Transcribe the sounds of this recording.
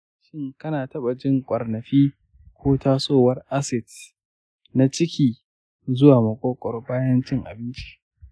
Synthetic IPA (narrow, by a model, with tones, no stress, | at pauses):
ʃɪ˦ŋkɐ˦naː˨tɐ˦ɓa˨d͡ʒɪ˦ŋkʷʼɐ˨rnɐ˨ɸiː˦ | kʷʰoː˦tʰaː˦sʼoː˦˨wɐ˦rʔa˦sɪ˨d | na˨t͡ʃɪ˦kʲʰiː˨ | zʊ˦waː˨mɐ˨kʼoː˦kʷʼɔ˨rbaː˦jɐ˦nt͡ʃɪ˦ŋʔa̰˨bɪ˦nt͡ʃi̥˦